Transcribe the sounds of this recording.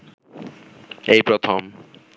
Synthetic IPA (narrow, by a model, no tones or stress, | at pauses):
ejpɾot̪ʰom